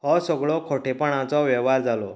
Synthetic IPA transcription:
ɦɔsəɡɭɔkʰoʈepəɽ̃ãt͡sɔʋɛʋaɾd͡zalɔ

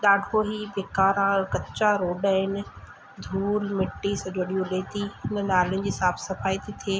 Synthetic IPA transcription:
ɗaːɖʱoɦiːʋeːkaːɾãkɐt͡ɕaɾoːɖaːɦɪnɪ̆ | d̪ʱuːɾmɪʈːisɐd͡ʑoɗijõɗeːt̪ʰiɦɪn̆naːlʊnɪ̆d͡ʑiːsaːfsɐfaːit̪ʰit̪ʰieː

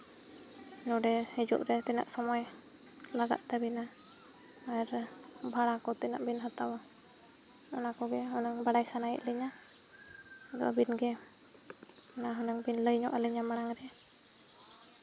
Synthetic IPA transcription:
nuɖɛhid͡ʒṵʔɾɛt̪ɛna̰ʔsɔmɔj | laɡa̰ʔt̪ɛbina | aɛɾ | bʱaɽakɔt̪ɛna̰ʔbinɦat̪awa | ɔnakɔɡɛɦɔnaŋbaɖajsanajḭʔləɲa | ɡɔ̰ʔabinɡɛ | naɦɔnaŋbinləjɲɔʔaləɲamaɽaŋɾɛ

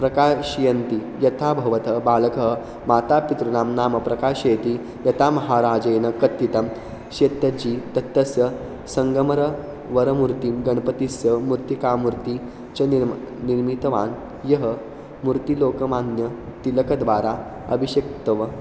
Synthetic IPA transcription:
pɾɐkaːɕijɐnt̪i | jɐt̪ʰaːbʱɐʋɐt̪ɐbaːlɐkəɦ | maːt̪aːpit̪ɾɐnaːmnaːmɐpɾɐkaːɕeːt̪i | jɐt̪ʰamɐɦaːɾaːd͡ʒeːnɐkɐt̪ːit̪ɐm | ɕet̪ːɐd͡ʑiːt̪ɐt̪ːɐsjɐ | sɐŋɡəmɐɾɐ | ʋɐɾɐmuɾt̪imɡɐɳpɐt̪isjɐmuɾt̪ikaːmuɾt̪i | t͡ɕɐn | niɾmit̪ɐʋaːn | jɐɦə | muɾt̪iloːkɐmaːnjɐt̪ilɐkɐd̪ʋaːɾa | ɐ̰bʱiɕɐk̚t̪ɐʋɐ

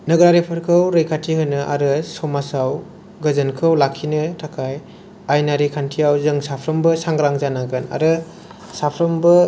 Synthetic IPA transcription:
nɐɡɾaɾepʰɯɾkʰɯwɾɯjkʰatʰihɯnɯʔa̰ɾɯsɔmasaw | ɡɐzɯnkʰɯwlakʰːinɯtʰakʰaj | ajnaɾikʰantʰijawzɯŋsapʰɾɐmbɯsaŋɡɾaŋzanaɡɯna̰ɾɯ | sapʰɾɐmbɯ

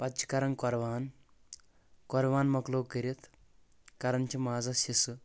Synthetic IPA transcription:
pɐt͡ʃi̥kɐɾɐŋkɔɾʋaːn | kɔɾʋaːnmɐkloːkəɾit̪ʰ | kɐɾɐnt͡ʃimaːzɐsisɨ

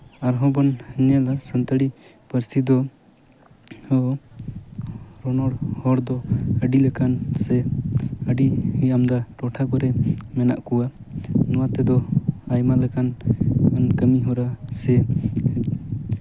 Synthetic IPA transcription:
aɾɦɔ̃bɔnhəɲɛlasənt̪əɽi | pəɾsid̪ɔ | hɔ | ɾɔnɔɽhɔɽd̪ɔəɖiləkansɛəɖihamd̪aʈɔʈʰakɔɾɛmɛna̰ʔkuwa | nɔwat̪ɛd̪ɔajmaləkanənkəmiɦɔɾasɛ

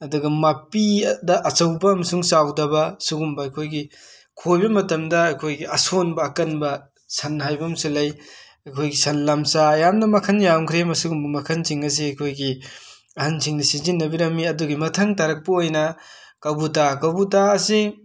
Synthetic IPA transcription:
ɐduɡɐmapidɐʔɐt͡ʃɐwbɐːmɐsuŋsawdɐbɐsuɡumbɐɐjkʰojɡi | kʰojbɐmɐtɐmdɐɐjkʰojɡiɐsonbɐːkɐnbɐ | sɐnɦajbɐmsilɐj | ɐjkʰojɡisɐnlamsaːjamnɐmɐkʰɐnjawŋkʰɾemɐsuɡumbɐmɐkʰɐnsʰiŋɐs̬iɐjkʰojɡi | ɐhɐnsʰiŋnɐsizinːɐbiɾɐmːiɐduɡimɐtʰɐŋtɐɾɐk̚pɐojnɐ | kɐwbut̬akɐwbutaɐsi

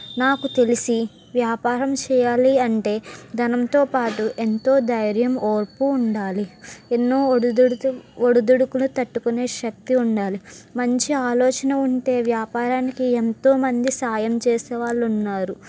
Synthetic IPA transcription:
naːkut̪e̞lisi | ʋjaːpaːɾɐmt͡ʃɛːjaːliɐɳʈe̞ːd̪ɐnɐmt̪o̞ːpaːʈuʔent̪o̞ːd̪ɐjɾjɐmoːɾpuːɳɖaːlienːoː | oɽud̪uɽukulut̪ɐʈːukune̞ːʃɐk̚t̪iuɳɖaːlimɐɲt͡ʃiaːlɔːt͡ʃɐnɐuɳʈe̞ːʋjaːpaːɾaːnikient̪o̞ːmɐnd̪isaːjɐmt͡ʃeːsɛːʋaːɭːunːaːɾu

